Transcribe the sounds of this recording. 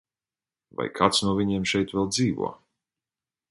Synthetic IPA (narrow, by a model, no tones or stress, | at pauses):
va̰jkʰat̪snuɔviɲiɛmʃɛjt̪vɛlˠd̪ziːvṵɔ